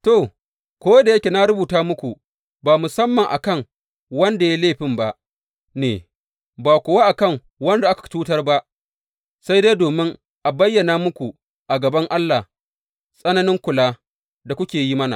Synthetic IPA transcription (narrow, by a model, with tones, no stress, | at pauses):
to˨ | kʷoː˦da˨jɐ˦kʲe˨na˦ɾʊ˦buː˨taː˦mʊ˦kʷu˨ | baː˨mʊ˨sɐ˦mːɐ˨ŋʔa̰˨kɐ˦˨ŋ | wɐ˦nda˨ja˦leː˦˨ɸɪ˨mba˦ʔ | nḛː˨ | baː˨kʷʊ˨waː˦ʔa˨kɐ˦˨ŋ | wɐ˦nda˨ʔa˦kḁ˨tuː˦tɐ˦rba˦ʔ | sa˦jde˦doː˨mɪ˦ŋ | ʔa˨bɐ˦jːɐ˨naː˦mʊ˦kʷu˨ | ʔa˨ɡɐ˨bɐ˦ŋʔa˦lːa˨ | sʼɐ˦nɐ˦nɪ˦ŋkʷʊ˨laː˦ | da˨kʷʊ˦kʲeː˨ji˦mɐ˦na̰˨